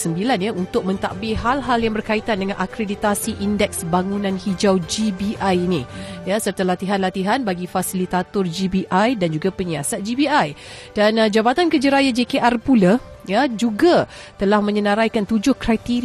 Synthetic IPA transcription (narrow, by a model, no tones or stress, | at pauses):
səmbilanjaunt̪ʊk̚mə̃nt̪a̰ʔbɪɦalɦaljaŋbərkait̪andəŋanʔakɾedit̪asiʔindɛk̚sbaŋunãnhid͡ʒawd͡ʒibiʔajinĩjasərt̪alat̪iɦanlat̪iɦanbaɡifasilit̪at̪ɔrd͡ʒibiʔajdand͡ʒuɡapəɲiasat̪̚d͡ʒibiajd̥and͡ʒabat̪ankəd͡ʒəɾajad͡ʒekeʔarpulajad͡ʒuɡa | t̪əlahmə̃ɲənaɾajkant̪ud͡ʒʊhkɾajt̪iɾ